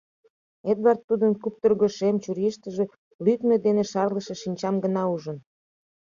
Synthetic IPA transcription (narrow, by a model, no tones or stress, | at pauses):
ed̪βɑrt̪ːud̪ənkup̚t̪ərɣoʃemt͡ɕuɾiʃt̪əʒĕ | lyk̪ned̪enĕʃɑrləʃeʃinʲt͡ɕɑmɡənɑuʒə̆n